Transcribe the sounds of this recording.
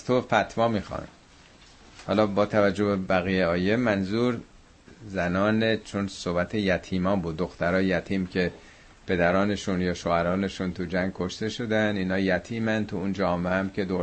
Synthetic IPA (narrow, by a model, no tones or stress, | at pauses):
zt̪ʰofæt̪ʰvɒːmiːxɒ̰ːn | hɒːlɒːbɒːt̪ʰævæd͡ʒːo̞bebæɣijeɒːje̞mænzuːɾ | zænɒːnet͡ʃʰonsobæt̪ʰejæt̪ʰiːmɒːbuːd̪ːo̞xt̪æɾɒːjjæt̪ʰiːmcʰe̞ | pʰe̞d̪æɾɒːne̞ʃunjɒːʃoːæɾɒːne̞ʃunt̪ʰud͡ʒæŋɡ̚kʰo̞ʃt̪e̞ʃod̪æniːnhɒːjæt̪ʰiːmænt̪ʰuund͡ʒɒːmeæmcʰe̞d̪o